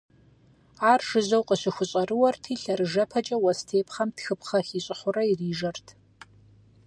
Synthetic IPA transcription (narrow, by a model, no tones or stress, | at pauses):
aːrʒ̥ɨzɐwqʼəɕɪxʷʊɕʼɐrɨwɐrtʰiːɬɐrɨʒɐpʰɐt͡ʃʼɐwɐstʰeːpʰχɐmtxɨpʰχɐxiːɕʼɪχʷʊɾɐiriːʒɐrtʰ